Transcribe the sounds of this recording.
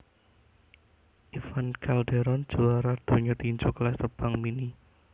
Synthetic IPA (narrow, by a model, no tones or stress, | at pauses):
ʔifankalɖeɾɔn̥d͡ʒ̥oaɾad̪̥o̤ɲɔt̪iɲd͡ʒuklɛst̪əb̥aŋmini